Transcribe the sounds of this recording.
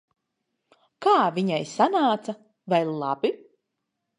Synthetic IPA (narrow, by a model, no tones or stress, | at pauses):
kaːviɲajsanaːt̪sa | vajlˠabi